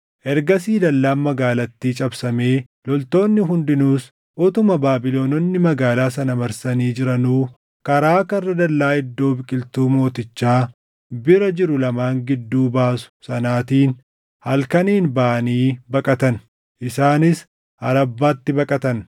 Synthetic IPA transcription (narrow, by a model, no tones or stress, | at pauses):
ʔɛɾɡɐsiːd̪ɐlːaːnmɐɡaːlɐt̪ːiːt͡ʃʼɐbsɐme̞ː | lɔlt̪o̞ːnːɪɦʊnd̪ɪnuːs | ʔɔt̪ʊmɐbaːbɪlo̞ːnɔnːɪmɐɡaːlaːs̬ɐnɐmɐɾsɐniːd͡ʒɪɾɐnuː | kɐɾaːkɐrːɐd̪ɐlːaːɪd̪ːo̞ːbɪkʼɪlt̪uːmo̞ːt̪ɪt͡ʃːaː | bɪɾɐd͡ʒɪɾʊlɐmaːŋɡɪd̪ːuːbaːsʊ̥sɐnaːt̪iːn | hɐlkɐniːnbaːʔɐniːbɐkʼɐt̪ɐn | ʔɪsaːnɪs | hɐɾɐbːaːt̪ːɪbɐkʼɐt̪ɐn